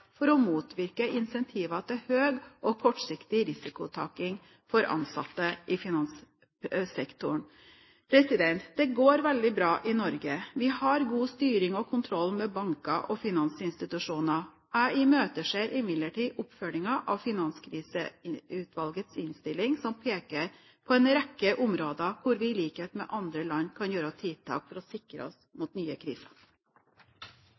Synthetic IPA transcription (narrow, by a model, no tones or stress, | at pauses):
fɔɾɔmuːt̪ʋɪɾkəʔɪnsɛnt̪ʰiːʋɑt̪ʰɪhøːɡʔɔkʰɔʈʂɪkt̪ɪɾɪsɪkʊt̪ʰɑ̰ːkɪŋ | fɔɾʔɑ̰nsɑ̰t̪ːəʔɪfɪnɑns | sɛkt̪ʊɳ | pʰɾɛsɪd̪ɛnt̪d̪ɛɡoːɾʋɛld̪ɪbɾɑːʔɪnɔɾɡəʋɪhɑɾɡuːst̪yːɾɪŋɔkʰʊnt̪ʰɾɔlːmɛbɑŋkɑʔɔfɪnɑnsɪnst̪ɪt̪ʉʂuːnɑ | æɪmøːt̪əʂeːɾʔɪmɪd̪ləʈiːʔʊpfœlɪŋɑʔɑʋfɪnɑnskʰɾiːsəʉːt̪ʋɑlɡət̪sɪnst̪ɪlːɪŋsɔmpʰeːkəɾ | pʰɔɛnɾɛkːəʔʊmɾoːd̪ɑkʰʊɾʋɪliːkət̪mɛ̰ʔɑnd̪ɾəlɑnːkʰɑnjøːɾəɔt̪ʰɪlt̪ʰɑ̰ːkfɔɾɔsɪkɾə̰ɔsmuːt̪nyːəkʰɾḭːsɑ